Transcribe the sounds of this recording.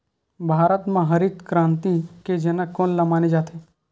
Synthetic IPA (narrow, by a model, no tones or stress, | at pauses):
bʱaːɾət̪mãɦɐɾit̪kɾãːnt̪iked͡ʒɐnəkːoːnlɐmaːnid͡ʒaːt̪ʰe